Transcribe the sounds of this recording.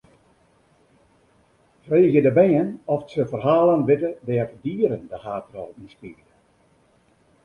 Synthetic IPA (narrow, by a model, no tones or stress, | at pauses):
freːɣjədəbɛːənɔfsəfərɦaːlˠənʋɪtədɛːfdiːəɾəndəhaːtrɔlˠinspirdə